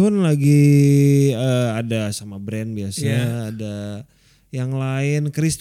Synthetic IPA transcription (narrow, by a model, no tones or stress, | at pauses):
hʊnlaɡi | əadasamabɾɛnbiasaːda | jaŋlaɪnkɾist̪